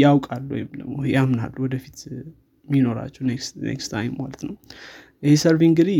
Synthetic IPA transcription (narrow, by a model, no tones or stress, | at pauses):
awkʼalːuw̰jɪmd̪əmojamna̰lːuwɔd̪əfit̪ | mino̞ɾa̰t͡ʃːɛhneksnḛkst̪ʰajmmalət̪nəw | jɪhesəɾβiŋɡɨd̪i